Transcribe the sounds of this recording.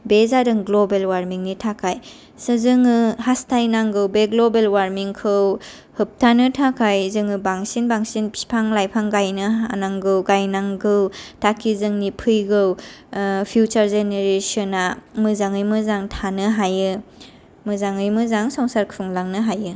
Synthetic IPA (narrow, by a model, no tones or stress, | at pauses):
bezadɯŋɡlobelwaɾmiŋnitʰakʰaj | sɯzɯŋɯhastʰajnaŋɡɯwbeɡlobelwaɾmiŋkʰɯw | hɯp̚tʰanɯtʰakʰajzɯŋɯbaŋsinbaŋsinpʰpʰaŋlajpʰaŋɡajnɯanaŋɡɯwɡajnaŋɡɯwtʰakʰizɯŋnipʰɯjɡɯw | pʰjut͡ʃaɾzeneɾesɔnamɯzaŋɯjmɯzaŋtʰanɯɦajɯ | mɯzaŋɯjmɯzaŋsɔŋsaɾkʰuŋlaŋnɯɦajɯ